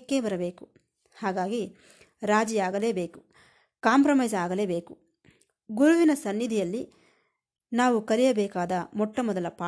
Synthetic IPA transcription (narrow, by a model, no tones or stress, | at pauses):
kːeːbɐɾɐbe̞ːku | haːɡaːɡi | ɾaːd͡ʒijaːɡɐle̞ːbe̞ːku̥ | kaːmpɾɐmɐjzaːɡɐle̞ːbe̞ːku | ɡuɾuʋinɐsɐnːid̪ʱijɐlːi | naːʋukɐɾijɐbɛːkaːd̪ɐmɔʈːɐmɔd̪ɐlɐpaː